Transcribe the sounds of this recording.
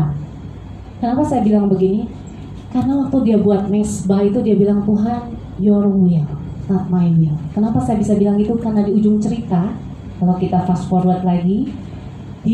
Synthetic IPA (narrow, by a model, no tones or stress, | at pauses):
kənapasajabilaŋbəɡini | karənawak̚t̪awdiabuat̪̚mɛsbait̪udiabilaŋt̪uɦan | jɔɾɔŋujalsŋat̪̚mainualkənapasajabisabilaŋit̪ukarənadiud͡ʒʊŋt͡ʃəɾit̪a | kalawkit̪afaskɔruat̪̚laɡi | d̥i